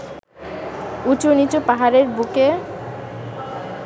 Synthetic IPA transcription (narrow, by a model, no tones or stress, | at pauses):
ut͡ɕonit͡ɕopaɦaɾeɾbuke